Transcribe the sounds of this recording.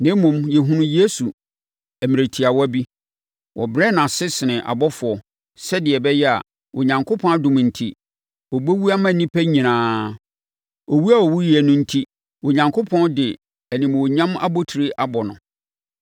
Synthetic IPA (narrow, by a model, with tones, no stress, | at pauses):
nɪ̃˦mʊ̃˨mjɛ˨ɦũ˦nʊ̃˦je˦su˨ | æ˨mĩ˨ɾe˨tʰi˨a˨wɔ˦æ˦bi˦ | wɔ˨bɾɛ˦˨nã˨sɪ˦sɪ˨nɪ̃˨ʔa̰˨bɔ˦fʊ˨ɔ˨ | sɛ˦dɪ˨ɛ˨bɛ˦jɛ˦a̰˨ | ʔo˨ɲã˨ŋkʰʊ˦pʰɔ̃˦a˦dʊ̃˨m̃˨n̩˨tʰi˦ | wɔ˨bo˦wu˦a˦mã˦˨˦nĩ˦pʰæ˦ɲĩ˨nãː˨˦ | o˨wu˦a˦˨wɔ˨wu˦ji˨ɛ˨nʊ̃˦n̩˦tʰi˦ | wo˨ɲã˨ŋkʰo˦pʰɔ̃˦ndɪ˨ | æ˨nĩ˨m˨wɔ˨ɲã˦ma̰˦bo˦tʰi˨ɾi˦ʔa˦bɔ˨nʊ̰̃˨